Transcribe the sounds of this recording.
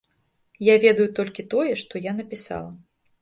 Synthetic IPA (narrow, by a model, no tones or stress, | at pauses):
javʲɛd̪ɐjut̪ɔlʲkʲit̪ɔjɛʂt̪ɔjanɐpʲisa̰lˠɐ